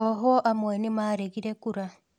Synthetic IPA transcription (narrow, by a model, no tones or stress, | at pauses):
ɔɦɔʔamwenimaːɾeɣiɾekuɾa